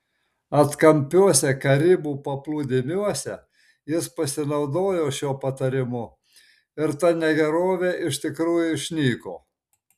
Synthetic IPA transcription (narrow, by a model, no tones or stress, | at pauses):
ɐt̪kɐmʲpʲuɔsʲɛkɐɾʲɪbuːpɐplˠuːd̪ʲɪmʲuɔsʲɛ | jɪspɐsʲɪnɒʊd̪oːjoːʃʲuːpɐt̪ɐɾʲɪmʊ | ɪɾt̪ɐnʲɛɡʲɛɾoːʋʲeʔɪʃt̪ʲɪkɾuːjʊɪʃʲnʲiːko̰ː